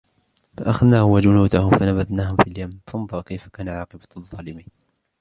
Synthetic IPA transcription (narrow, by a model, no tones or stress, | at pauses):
faʔaxaðnaːhʊwad͡ʒʊnuːd̪ahʊfanabaðnaːhʊfiljamfɑnɑd̪ˤɑɾˤkajfḁkaːnaʕɑːqɨbaðˤːɑːlɪmiːn